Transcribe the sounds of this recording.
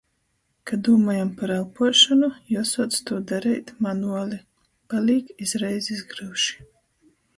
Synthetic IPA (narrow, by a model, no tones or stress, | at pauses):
kad̪uːmajampaɾalˠpuʃɔnujusɔɔt̪st̪uɔd̪aɾɛjt̪manuɔlʲi | palʲiːkizɾɛjzizɡɾɨwʃi̥